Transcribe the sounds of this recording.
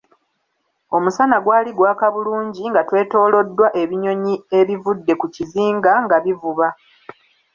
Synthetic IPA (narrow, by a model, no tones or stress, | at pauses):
o̞musanaɡwaːliɡwaːkaβuluːɲɟiŋɡatwe̞ːto̞ːlo̞dːwaʔe̞βiɲo̞ɲie̞βivudːe̞kuciziːŋɡaŋɡaβivuβa